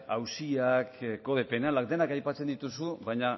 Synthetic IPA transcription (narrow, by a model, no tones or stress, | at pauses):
awsiakkoðepe̞nalak̚d̪e̞nakajpat͡se̞nd̪it̪usuβajɲa